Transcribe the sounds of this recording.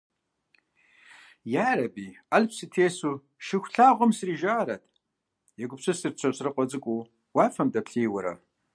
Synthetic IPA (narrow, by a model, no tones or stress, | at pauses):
jaːɾɐbiːalpʰsɨtʰeːsu | ʃɪxʷɬaːʁʷɔmsriːʒaːɾɐtʰʼ | jɛɡʷʊpsɨsɨrt͡ɕʷʰɐsrɨqʷʼɔd͡zɨkʷʼu | waːfɐmdɐpɬiːwɐɾɐ̰